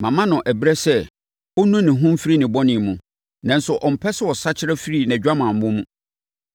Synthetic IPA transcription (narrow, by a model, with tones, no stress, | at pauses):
mã˨mã˦nʊ̃˨ʔæ˨bɾɛ˦sɛ˦˨ | ɔ˦nũ˦nɪ̃˨ɦũ˦m˦fi˦ɾi˦nɪ̃˨bɔ˦nɪ̃˨mũ˨ | nã˨n˦sʊ˨ʔɔ˨m̩˨pʰɛ˦sɪ˦wɔ˨sa˦t͡ɕʰɪ˦ɾɛ˦fi˦ɾi˦˨nɛ̃˨d͡ʑᶣa˦mã˨m̩˨mʊ̃˦mũ˦